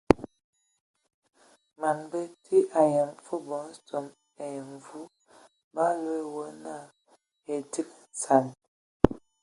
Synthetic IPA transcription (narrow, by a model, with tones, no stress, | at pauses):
ma˨nbɛ˦tʰi˦ʔa˨jɛ˨mfu˦bɔ˨˦n˦tɔ˨m | ɛ˨jɛ˨mvu˦ | ba˦lwe˦wə˦na˦˨ | e˨ti˦ksa˨n